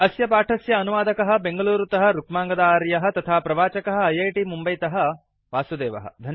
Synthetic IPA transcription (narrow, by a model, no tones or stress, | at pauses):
ɐsjɐpaːʈʰɐsjɐːnuʋaːd̪ɐkɐɦɐ̆beŋɡɐluːɾut̪ɐɦɐ̆ɾukmaːŋɡɐd̪aːɾjɐɦɐ̆t̪ɐt̪ʰaːpɾɐʋaːt͡ʃɐkɐɦɐ̆ɐjɐjʈimumbɐjt̪ɐɦɐ̆ | ʋaːsud̪eːʋɐ̰ɦɐ̰d̪ʱɐn